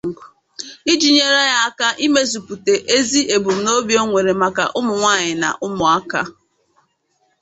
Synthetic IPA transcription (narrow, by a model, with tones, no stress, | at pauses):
ŋ̩˨ɡʊ˨ | i˦d͡ʒi˨ɲe˦ɾa˦ja˦a˦ka˦ʔi˦me˦zu˨pu˨te˨ʔe˦zi˦ʔe˨bu˨m̩˨no˦bjo˦ŋʷe˨ɾe˨ma˨ka̰˨ʔʊ˦mʊ˨ŋʷaː˦˨ɲɪ˨na̰˨ʔʊ˦mʊ˨a˦ka̰˦